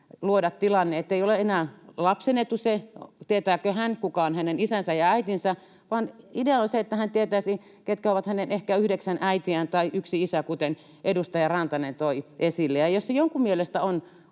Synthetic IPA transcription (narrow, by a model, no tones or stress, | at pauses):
luodɑt̪t̪ilɑnːeet̪ːeioleenæːlɑpsenet̪ːuset̪iet̪æːkøhænkukɑonhænenisænsæjɑæit̪insæ | ʋɑːnideɑonseet̪ːæhænt̪iet̪æisi | ket̪kæoʋɑt̪hænenehkæyhdeksænæit̪iænt̪ɑiʔyksiisækut̪en | ʔedust̪ɑjɑrɑnt̪ɑnent̪oiʔesilːejɑjossejoŋkummielest̪æon